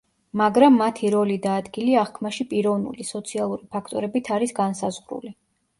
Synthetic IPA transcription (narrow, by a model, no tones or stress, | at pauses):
maɡɾamːat̪ʰiɾɔlid̪aːd̪ɡiliaχkʰmaʃipʼiɾɔvnṵlisɔt̪sʰialˠuɾipʰakʰt̪ʼɔ̰ɾɛbit̪ʰaɾisɡansazʁɾṵli